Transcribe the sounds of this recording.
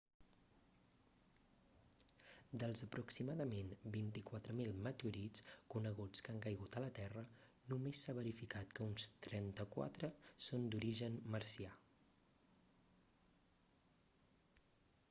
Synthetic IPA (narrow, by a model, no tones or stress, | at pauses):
d̪əlˠzəpɾuksimaðəmenbint̪ikwat̪ɾəmilˠmət̪euɾit͡skunəɣ̞ut͡skaŋkajɣ̞ut̪ələt̪ɛrənumesːaβəɾifikat̪kəunst̪ɾɛnt̪əkwa̰t̪ɾəsond̪uɾiʒənməɾsia